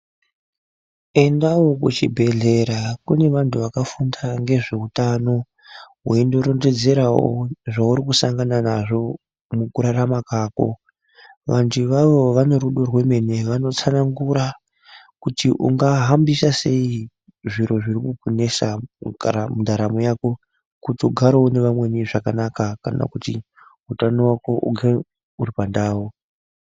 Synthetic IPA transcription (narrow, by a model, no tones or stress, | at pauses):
e̞ndawokut͡ʃibʱe̞ɮe̞ɾakune̞ʋantʰuʋakafundaŋɡe̞ʐe̞utano̞ | weindo̞ɾonde̞d͡ze̞ɾawoo̰ʐauɾikusaŋɡananaʐo̞ | mukuɾaɾamakaːko̰ | ʋantʰuʋaʋo̞ʋano̞ɾuɗo̞rwe̞me̞ne̞ʋano̞t͡sanaŋɡuɾa | kutiʔṵŋɡaɦambisase̞i | ʐiɾo̞ʐiɾikukune̞sa | mundaɾamojako̞ | kutoɡʱaɾoone̞ʋamwe̞niʐakanakaka̰na̰kuti | ɦutanowako̞ʔṵɡʱe | uɾipandaːwo